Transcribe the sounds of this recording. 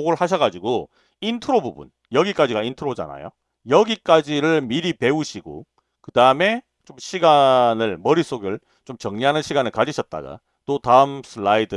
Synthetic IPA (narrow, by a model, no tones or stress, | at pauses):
oɡɯɭhaɕʰʌɡad͡ʑiɡo | intʰɯɾobubṵn | jʌɡik͈ad͡ʑiɡaintʰɯɾod͡ʑa̰na̰jo̰ | jʌɡik͈ad͡ʑiɾɯɭmiɾipe̞uɕʰiɡo̰ | kɯdaɯme̞ | t͡ɕomɕʰiɡanɯɭmʌɾis͈ʰoɡɯɭ | t͡ɕomt͡ɕʌŋɲiɦanɯnɕʰiɡanɯɭkad͡ʑiɕʰʌt̚t͈a̰ɡa̰ | t͈otaɯmsʰɯɭaidɯ